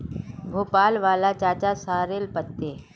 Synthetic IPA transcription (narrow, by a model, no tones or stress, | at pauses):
ɡʱoːpaːlʋaːlat͡ʃaːt͡ʃasaːɾeːlpət̪ːeː